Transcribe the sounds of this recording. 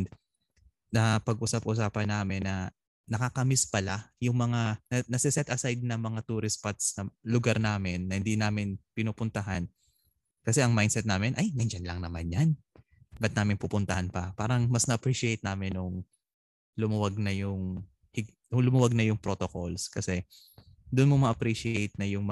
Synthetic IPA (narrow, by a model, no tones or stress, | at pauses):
d̪ | nɐpɐɡ̚ʔuːsɐp̚uːs̬aːpɐnːaːmɪnːɐ | nɐkakɐmɪspɐlajʊŋmɐŋanɐnɐsɪsɛt̪ʔɐsajd̪̚nɐŋmɐŋat̪uːɾɪspat̪snɐlʊɡaɾnaːmɪnːɐhɪnd̪inaːmɪnpɪnuːpʊnt̪ɐɦan | kɐsɛʔɐŋmajd̪sɛt̪̚naːmɪnʔɐjmɛnd͡ʒɐnlɐŋnɐmanjan | bɐt̪̚naːmɪnpupʊnt̪ɐhanpɐpaːɾɐŋmɐsnɐʔɐpɾiʃɪejt̪̚naːmɪnʊŋ | lʊmwaɡ̚nɐjʊŋ | hɪɡ | ʊŋlʊmʊwaɡ̚nɐjʊŋpɾot̪okolskɐsɛ | d̪ʊnmomɐʔɐpɾiʃɪejt̪̚nɐjʊŋm